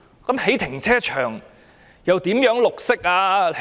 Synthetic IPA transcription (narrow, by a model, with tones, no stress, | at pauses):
kɐ˨˥mhe˨˥jt̪ʰɪ˨˩ŋt͡sʰɛː˥t͡ʃʰœː˨˩ŋ | jɐ˨wt̪iː˨˥mjœː˨˥ŋlʊ˨k̚sɪ˥k̚aː˧h